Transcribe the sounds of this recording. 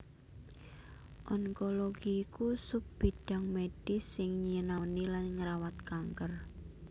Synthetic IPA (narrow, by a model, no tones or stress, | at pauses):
ʔɔŋkoloɡ̥iːkusup̚b̥i̤ɖ̥a̤ŋmeɖ̥ɪ̤sːɪŋɲiənanilanŋəɾawat̪̚kaŋkər